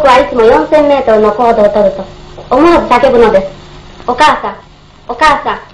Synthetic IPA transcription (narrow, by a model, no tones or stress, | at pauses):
kuaisimɔjɔn̩semmetɔɔkɔdɔtɔdɔtɔomuɔbisakebunɔdeokasa | okasa